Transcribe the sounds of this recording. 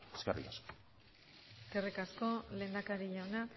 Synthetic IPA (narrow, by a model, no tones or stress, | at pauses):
eskarḭkasko̥ | kerikasko̞le̞ːnd̪akaɾiʎawna